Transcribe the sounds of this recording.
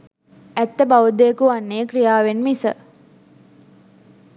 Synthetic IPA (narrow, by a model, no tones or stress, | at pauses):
æt̪ːəbaʋud̪ejəkuanːejəkrijaːʋenmisə̰